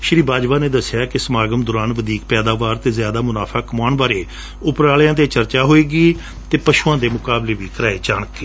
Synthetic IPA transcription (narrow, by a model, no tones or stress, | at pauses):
ʃɾiːbaːd͡ʒʋaːneːd̪əsɪjaːkɪsəmaːɡəmd̪ʊɾaːnʋəd̪iːk̚pɛːd̪aːʋaːɾt̪eːzjaːd̪aːmʊnaːpʰaːkəmaːnbaːɾeː | ʊpɾaːljãːt̪eːt͡ʃəɾt͡ʃaːɦoːeːɡiː | t̪eːpəʃuːãːd̪eːmʊkaːbleːʋiːkəɾaːeːt͡ʃaːɳəkːeː